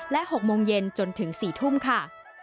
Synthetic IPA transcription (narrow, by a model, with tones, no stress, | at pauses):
lɛ˦˥ʔho˨˩k̚moː˧ŋje˧nt͡ɕo˧nt̪ʰɯ˩˦ŋsiː˨˩t̪ʰu˥˩mkʰa˥˩